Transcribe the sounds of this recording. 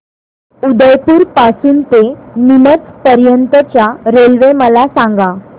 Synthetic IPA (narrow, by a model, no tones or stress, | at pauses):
ud̪əjpuːɾpasuːnt̪enimət͡spəɾjənt̪ət͡ɕjaɾelʋeməlasãŋɡa